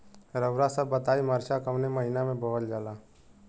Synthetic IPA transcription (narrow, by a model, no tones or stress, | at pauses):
ɾəʋɾasəbːət̪aːiməɾʃakəmneməɦɪnamẽboʋəld͡ʒalaː